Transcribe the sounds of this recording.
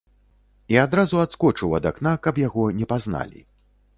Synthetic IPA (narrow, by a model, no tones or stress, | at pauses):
iad̪ɾazuat̪skɔt͡ʂɨwɐd̪aknakɐpjaɣɔnʲɛpazna̰lʲḭ